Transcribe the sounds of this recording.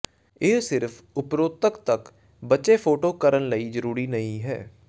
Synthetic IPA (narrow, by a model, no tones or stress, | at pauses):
eːsɪɾfʰ | ʊpɾoːt̪əkt̪ək | bətːt͡ʃeːpʰoːʈoːkəɾənləiːd͡ʒəɾuːɾiːnəĩɦɛ̰ː